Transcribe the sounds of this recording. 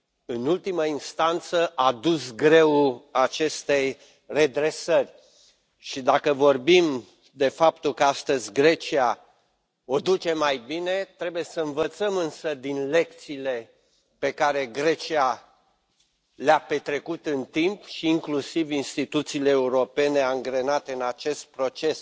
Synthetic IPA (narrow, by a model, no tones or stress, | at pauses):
ɨnult̪iməinst̪ant̪səʔad̪usɡɾe̞wat͡ʃe̞st̪e̞j | re̞d̪ɾe̞sərʲ | ʃid̪akəvo̞rbim | d̪e̞fap̚t̪ulkəast̪əzʲɡɾe̞t͡ʃia | o̞d̪ut͡ʃe̞majbine̞t̪ɾe̞buje̞səɨnvət̪səmɨnsəd̪inle̞k̚t̪siːle̞ | pe̞kaɾe̞ɡɾe̞t͡ʃia | leape̞t̪ɾe̞kut̪ɨnt̪impʃiːŋklusivinst̪it̪ut̪siːle̞ːuɾo̞pe̞ne̞aŋɡɾe̞nat̪e̞ɨnat͡ʃe̞st̪̚pɾo̞t͡ʃe̞s